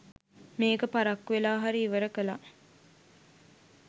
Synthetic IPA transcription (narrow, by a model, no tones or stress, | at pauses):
meːkəpaɾakːʋelaːɦaɾiːʋəɾəkəla